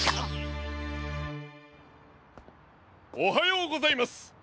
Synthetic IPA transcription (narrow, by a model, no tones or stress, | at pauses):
oɦajoːɡozaimasɨ̥